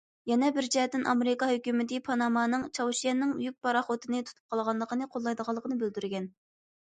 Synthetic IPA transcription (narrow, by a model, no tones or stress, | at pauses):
jɛnɛbɪɾd͡ʒɛɛt̪ːɪnʔɑmeɾɪkɑɦøkʲymɪd̪ɪpʰɑnɑmɑːnɨŋt͡ʃʰɑwʃijɛnːɪŋjyk̚pɑɾɑχot̪ʰɨnɨt̪ʰu̥t̪ʰup̚qʰɑlˠʁɑnlˠəqʰənɨqʰolˠːɑjd̪əʁɑlˠːəqʰənɨbøld̪yɾɡʲɛn